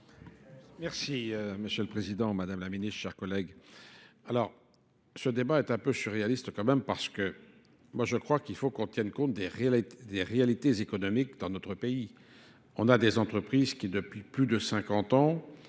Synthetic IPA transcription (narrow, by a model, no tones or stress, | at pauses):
mɛʁsiməsjøləpχezid̪ɑ̃mad̪amlaminist̪ʃɛʁkɔlɛɡ | alɔʁ | səd̪ebaɛt̪ɛ̃pøsyʁealist̪əkɑ̃mɛmpaʁsə̥kə | mwaʒəkχwakilfokɔ̃t̪jɛnkɔ̃t̪̚d̪eʁd̪eʁealit̪ezekɔnɔmik̚d̪ɑ̃nɔt̪χəpei | ɔ̃nad̪ezɑ̃t̪χəpχizkʲid̪əpɥiplyd̪əsɛ̃kɑ̃t̪ɑ̃